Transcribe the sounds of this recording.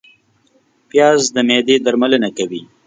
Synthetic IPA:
pjɑːzd̪əmed̪ed̪aɾmalənakawi

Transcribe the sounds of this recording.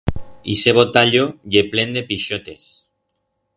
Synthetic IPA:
ḭseβot̪aʎoʎeplend̪epiʃot̪e̞̰s

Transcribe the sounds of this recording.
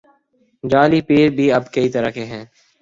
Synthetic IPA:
d͡ʒaːliːpiːɾbʱiːəbkəit̪əɾa̰ːkeːɦɛ̃ː

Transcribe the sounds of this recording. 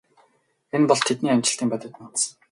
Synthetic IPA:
enpɔɮt̪ʰet̪niːamʲt͡ɕɪ̆ɬt̪iːmpæt̪ʲə̆wt̪nat̪s

